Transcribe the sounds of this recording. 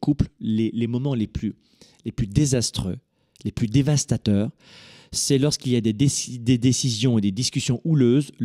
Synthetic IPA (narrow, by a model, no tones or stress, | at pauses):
kupllelemɔmɑ̃leply | leplyd̪ezast̪χø̰ | leplyd̪evast̪at̪œːʁ | sɛlɔʁskilijad̪eed̪ed̪esizjɔ̃ed̪ed̪iskʲysjɔ̃ʔuløz